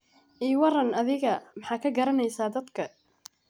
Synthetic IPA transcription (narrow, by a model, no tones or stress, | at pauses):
ʔiːwɑrɐnɐðɪɣɐmɑħɑːkʰɐɡɐɾɐnɛjsaːd̪ɐd̪kʰɐ